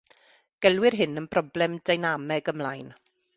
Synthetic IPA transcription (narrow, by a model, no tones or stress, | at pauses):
ɡ̥ɛlˠwɪrɦɪnənb̥rɔblɛmdajnamɛɡəmlˠajn